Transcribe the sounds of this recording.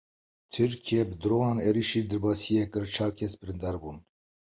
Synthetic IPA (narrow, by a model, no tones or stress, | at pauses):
t̪ʰɨɾkʰijɛbəd̪ɾoːnɑːneɾiʃiːd̪ɛɾbɑːsijɛkɨɾt͡ʃʰɑːɾkʰɛsbɨɾɨnd̪ɑːɾbuːn